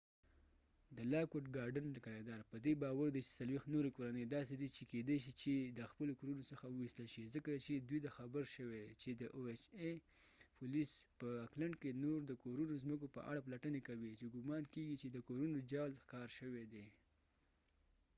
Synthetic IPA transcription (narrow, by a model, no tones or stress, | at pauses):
d̪əlɑkoʈɡɑɾɖənlakaɽed̪ɑɾpəd̪ebɑwaɾd̪et͡ʃe̥salwext̪noɾekoɾanəjd̪ɑsed̪it͡ʃeked̪ejʃ̬it͡ʃed̪əxpəlokoɾunosəxawəwist̪əlʃizəkat͡ʃed̪ujt̪axabəɾʃəwet͡ʃed̪əʔoet͡ʃe | pulispəaklaɳɖkenoɾd̪əkoɾunozməkopə̰ʔa̰ɽaplaʈənekawit͡ʃeɡʊmɑnkeɡit͡ʃed̪əkoɾunod͡ʒɑlxkɑɾʃəwed̪e